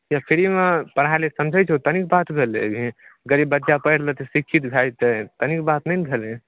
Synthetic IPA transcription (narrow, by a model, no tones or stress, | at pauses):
apʰiɾimepəɽ̤alesəmd͡ʒʱət͡ʃʰt̪ənik̚bat̪bʱelebʱiɡəɾibbətːʃapəjɾlət̪əsikʰːit̪bʱajt̪ət̪ənikbat̪nəjnbʱele